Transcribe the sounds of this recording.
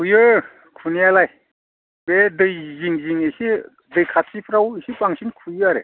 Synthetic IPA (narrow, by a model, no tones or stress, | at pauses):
kʰujɯ | kʰunijalaj | bedɯjziŋziŋesi | dɯjkʰatsipʰɾawesipaŋsʰiŋkʰujɯaɾḛ